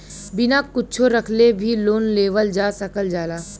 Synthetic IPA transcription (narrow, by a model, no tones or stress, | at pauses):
bɪnakʊtːt͡ʃʰoɾɐkʰlebʱiloːnleːʋəld͡ʒaːsɐkəld͡ʒaːlaː